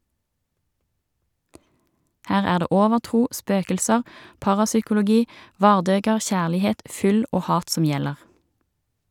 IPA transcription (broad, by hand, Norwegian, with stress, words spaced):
ˈhæːʁ ˈæːʁ ˈdeː ˈʔoːʋəʁˌtʁuː ˈspøːkəlsəʁ ˈpɑʁɑsʏkʊlʊˌɡiː ˈʋɑːʁˌdøːɡəʁ ˈçæːlɪˌheːt ˈfʏl ˈoː ˈhɑːt ˈsɔm ˈjɛləʁ